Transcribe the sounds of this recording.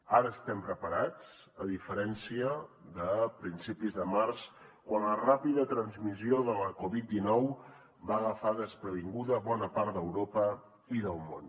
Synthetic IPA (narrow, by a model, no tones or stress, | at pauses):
aɾəːst̪ɛmpɾəpəɾat͡s | əðifəɾɛnsiəðəpɾinsipizðəmarskwanlərapiðət̪ɾənzmizioðələkoβit̪̚d̪inɔw | baɣəfaðəspɾəβiŋɡuðəβɔnəpaɾt̪̚d̪əwɾopə | iðəlˠmon